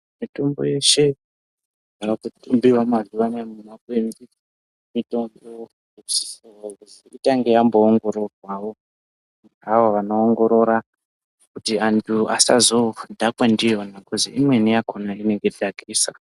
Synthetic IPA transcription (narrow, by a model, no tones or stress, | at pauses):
mito̞mbo̞̰je̞ʃe̞ | akakutumbiwamazuʋanemunakwemii | mitomboeo | eku̥si̥soakuziitaŋɡejamboːŋɡo̞ɾo̞rwawo̞ | aʋoʋanoːŋɡo̞ɾo̞ɾa | kutiantʰua̰sa̰zodʱakwandijonakuzḭʔimwe̞nijakunaine̞ŋɡedʱaɡʱiːsa